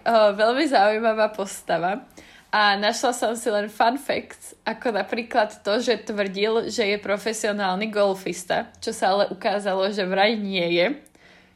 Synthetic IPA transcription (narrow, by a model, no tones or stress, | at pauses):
ʋɛlmizaujmaʋaːpɔst̪aʋa | ʔanaʃlasɔmsilɛnfanfɛ̰kt͡sʔakɔnapɾiːklat̪ːɔʒɛt̪ʋr̩ɟilʒɛjɛpɾɔfɛsiɔnaːlniɡɔlfist̪a̰t͡ʃɔsaalɛʔukaːzalɔʒɛʋɾajɲɪɛjɛ